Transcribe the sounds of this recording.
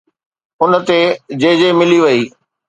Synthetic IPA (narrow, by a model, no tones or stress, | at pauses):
ʊnə̆t̪ed͡ʑeːd͡ʑemɪliʋɐiː